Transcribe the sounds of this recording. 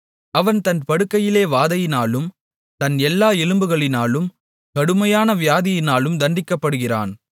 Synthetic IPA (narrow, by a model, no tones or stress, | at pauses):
ɐʋɐnt̪ɐnpɐɽɯkːɐjɪleːʋaːðɐjɪnaːlɯm | t̪ɐnɛlːaːɛlɯmbɯɣɐɭɪnaːlɯm | kɐɽɯmɐjaːnɐʋɪjaːðɪjɪnaːlɯmd̪ɐnɖɪkːɐpːɐɽɯɣɪra̰ːn